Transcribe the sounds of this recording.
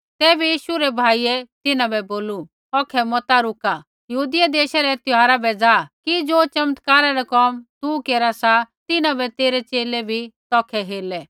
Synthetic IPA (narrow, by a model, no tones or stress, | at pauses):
t̪ɛːbɛjiːʃuɾɛbʱaːiːɛt̪ɪnãbɛboːlu | ɔːkʰɛmɔt̪aɾʊka | jɐɦuːd̪ɪjad̪eːʃaɾɛt̪ɪɦaːɾabɛd͡zaːkid͡zoːt͡ʃɐmət̪kaːɾaɾakɔːmt̪ukeːɾasat̪ɪnabɛt̪eːɾɛt͡ʃeːlɛbʱit̪ɔːkʰɛɦeːlɛ